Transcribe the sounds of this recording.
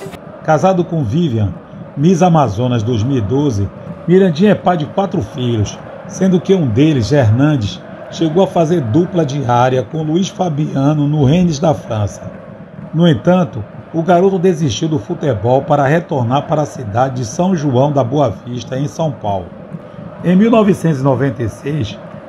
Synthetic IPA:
kazad̪ʊkõviviɐ̃ | mizamazõnɐzd̪ojzmiwid̪ozɪ | miɾɐ̃d͡ʒĩɛpad͡ʒɪkwat̪ɾʊfiʎʊs | sẽnd̪ʊkɪũd̪elɪzeɾnɐ̃nd͡ʒɪʃ | ʃeɡowɐfazeɾd̪uplɐd͡ʒiaɾiɐkõluiʃfabiɐ̃nʊnʊɦẽnɪzd̪ɐfɾɐ̃sɐ | nʊẽt̪ɐ̃nt̪ʊ | ʊɡaɾot̪ʊd̪eziʃt͡ʃiwd̪ʊfut̪ebɔwpaɾɐɦet̪oɾnaɾpaɾɐsid̪ad͡ʒɪd͡ʒɪsɐ̃w̃ʒuɐ̃w̃d̪ɐboɐviʃt̪ɐẽj̃sɐ̃w̃pawlʊ̰ | ẽj̃miwnɔvɪsẽt̪ʊzinɔvẽnt̪ejsejs

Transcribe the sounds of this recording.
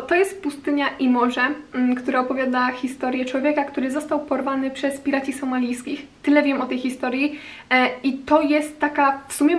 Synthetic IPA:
t̪ɔjɛst̪pust̪ɘɲaʔimɔʐakt̪uɾaɔpɔvʲjad̪axʲist̪ɔɾʲjɛt͡ʂwɔvʲjɛkakt̪uɾɘzɔst̪awpɔɾvanɘpʂɛspʲiɾat͡ɕisɔmalʲijskʲixt̪ɘlɛvʲjɛmʔɔt̪ɛjxʲist̪ɔɾʲji | it̪ɔjɛst̪ːakafsumʲjɛ

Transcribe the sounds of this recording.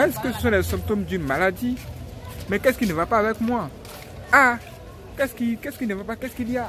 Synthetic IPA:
ɛ̃skese̥sɔ̃lɛsɛ̃pt̪omd̪ynmalad̪i | mɛ̃kɛskinevapaavɛkmw̃a | a | kɛskikɛskinevapakɛskilia

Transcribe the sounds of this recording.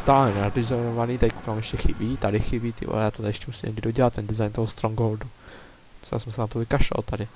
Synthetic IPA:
st̪aːlɛnavɪzonovaniːt̪ajku̥kamjɛʃcɛxɪbiːt̪adɪxɪbiːt̪ḭjaːt̪ot̪adɪɛʃcɛmusiːmɲɛɡdɪdoɟɛlat̪t̪ːɛndɪzajnt̪oɦost̪ɾoŋɡoldu̥ | a̰sɛmsɛnat̪ovɪkaʃova̰lt̪adɪ

